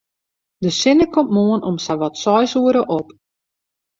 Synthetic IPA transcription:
dəsɪnəkɔmmoənɔmsaʋɔtsɔjsuəɾəʔop

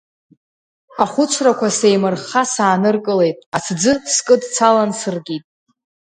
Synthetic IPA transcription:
aχʷʊt͡ʃʷʰrakʷʰase̞jmɨrχasaːnɨrkʼɨle̞jtʼat͡sʰd͡zɨskʼɨdt͡sʰalansɨrɡʲitʼ

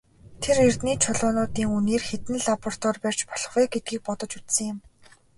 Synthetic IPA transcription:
t̪ʰerer̥t̪niːt͡ɕʰʊɮʊːnʊːt̪iːŋuneːrxet̪nɘ̆ɮapɔr̥t̪ʰɔːrpær̥ʲt͡ɕpɔɮɞ̆χɔjɡet̪̚ɡiːk̚pɔt̪ɞ̆t͡ɕut͡ssɘ̆ŋjɪ̆m

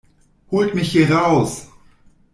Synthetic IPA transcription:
hoːltmɪçhiʁaʊs

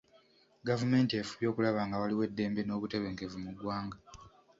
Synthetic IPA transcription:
ɡavume̞ːntiefuβjo̞ːkulaβaːŋɡawaliwe̞dːe̞ːmbe̞no̞ːβute̞βe̞ːŋke̞vumuɡwaːŋɡa

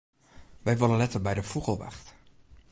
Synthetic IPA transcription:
ʋɛjʋɪlənlɛtəɹbɛjdəvuχəlˠʋa̰χt

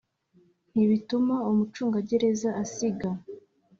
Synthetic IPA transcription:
n̥iβitumaomut͡ʃuːŋɡaɟe̞ɾe̞zaʔasiɡa

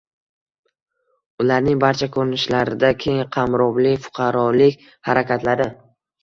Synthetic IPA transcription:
ʊlaɾnɪŋbaɾt͡ʃʰakʰɵɾɪnɪʃlaɾɪd̪akʲʰejɪŋqʰɑmɾɒblɪfʊ̥qʰɑɾɒlɪkʲ | haɾakʲʰat̪ʰlaɾɪ

